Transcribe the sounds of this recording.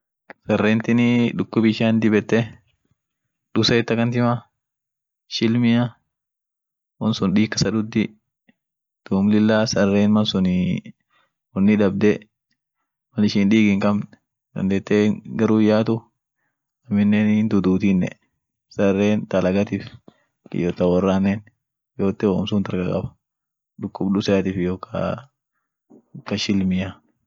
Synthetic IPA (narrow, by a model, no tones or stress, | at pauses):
sɐrːeːnt̪ɪnɪᶑʊkːʊbɪʃaːnd̪ɪbɛt̪ːɛ | ᶑʊsɐɛt̪ːɐkɐnt̪ɪma | ʃɪlmɪjɐ | wɔnsʊnᶑiːkːɐsɐd̪ʊd̪ːɪ | d̪̥uːmlɪlːaːsɐrːeːnmɐnsʊnɪ | wɔnːɪᶑɐb̚d̪ɛ | mɐnɪʃɪnᶑ̪iːɡɪŋkɐmn | d̪ɐ̰nd̪eːt̪ːeːɡɐɾuːɪjaːt̪ʊ | ɐmɪnːeːnnd̪ud̪uːt̪inːɛ̰ | sɐrːeːnt̪ɐlɐɡɐt̪ɪf | ɪ̰jɔːt̪ɐwɐrːaːnːɛːn | joːt̪ːɛwoːmsʊːnt̪ɐɾkɐkʼɐ̰bɐ̥ | ᶑʊkːʊbɗʊsɐjɐt̪ɪfjokʰɐ̰ | kɐʃɪlmɪja